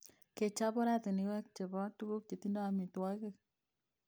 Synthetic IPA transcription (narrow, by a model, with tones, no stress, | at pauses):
ke˨t͡ʃa˦bɔ˦ɾa˦tɪ˨ni˨wɛ˦k̚t͡ʃe˨bɔ˦tu˦ku˦k̚t͡ʃe˨ti˦ndɔ˦a˨mi˨twɔ˦ke˦k